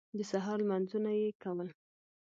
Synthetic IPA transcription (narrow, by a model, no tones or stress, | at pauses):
d̪əsaɦɑɾlmanzunajekawəl